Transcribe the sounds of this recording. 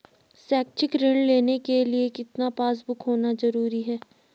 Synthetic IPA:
sɛːk̚t͡ʃɪkɾɪɳɖleːnekeliekɪt̪napaːs̬bʊkɦoːnazɐɾuːɾiɦɛː

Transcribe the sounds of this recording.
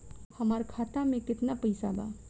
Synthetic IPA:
həmaɾkʰat̪amẽkɪt̪napəɪsaba̰

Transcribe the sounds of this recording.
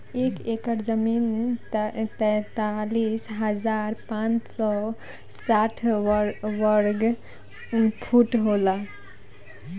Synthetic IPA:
ekekəɾd͡ʒəmin | t̪ɛt̪alisɦəd͡ʒaɾpãt͡ʃsɔ | saʈʰ | ʋəɾɡ | pʰuʈɦola

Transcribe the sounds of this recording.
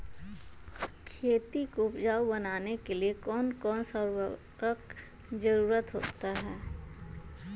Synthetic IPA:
kʰeːt̪ikopd͡ʒaːwbɐnaːnekeliekɔːnkɔːnsəɾ | ɾək | d͡ʒəɾuːɾət̪ɦo̰ːt̪aɦɛː

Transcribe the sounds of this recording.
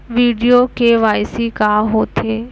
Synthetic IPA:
ʋiːɖijokeʋaːjsikaːɦoːt̪ʰeː

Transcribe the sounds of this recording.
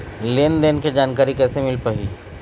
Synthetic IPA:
leːnd̪eːnked͡ʒaːnkaːɾikɛːsemɪlpɐɦḭː

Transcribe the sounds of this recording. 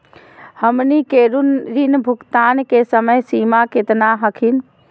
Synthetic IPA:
həmnikeɾunɾinbʱʊkt̪aːnkesəməjsimaket̪naɦəkʰin

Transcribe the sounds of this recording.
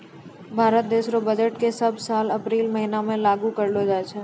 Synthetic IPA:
bʱaːɾət̪̚d̪eːʃɾobəd͡ʒəʈkesəbʱsaːləpɾiːlməɦinamẽlaːɡũkəɾlod͡ʒat͡ʃʰe

